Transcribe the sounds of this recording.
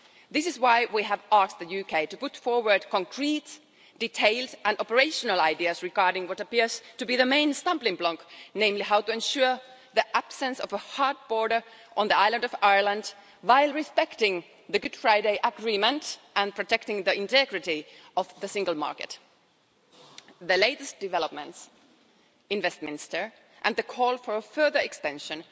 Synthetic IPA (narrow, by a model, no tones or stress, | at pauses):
ðɪsɪzwaɪwiævɑst̪̚ðəjʉkʰeɪtɨpʊtfɔɹwə˞d̚kʰə̃ŋkʰɹ̥iːt | d̥itʰeɪlˠdæ̃nɔpəɹeɪʃənəlˠaɪdiɨsɹɪɡɑɹdɪ̃ŋwʌtəpɪɹz̥tɨbiːðəmẽɪ̃nstʌ̃mplɪ̃ŋblɔ̃ŋknẽɪ̃mliɦaʊtɨɛ̃nʃʊɹ | ðiʔæb̥sə̃nsɔvəhɑɹd̚bɔɹɾə˞ʔə̃nðiaɪlˠə̃ndɔvaɪə˞lə̃nd | waɪlˠɹɪspɛktɪ̃ŋ | ðɨɡʊd̥fɹaɪdeɪʔəɡɹiːmə̃ntʔæ̃npʰɹ̥ɔtɛktɪ̃ŋðiɪ̃ntɛɡɹɨtiɔvðəsɪ̃ŋɡəl̩ˠmɑ̰ɹkɨ̰t | ðəleɪtɨstd̥ɨvɛlˠəp̚mə̰̃nts | ɪ̃nvɛst̚mɪ̃nɪstə˞ | ʔɨ̃nðəkʰɔlˠfəɹəfɜ˞ðə˞ɛkstɛ̃nʃə̃n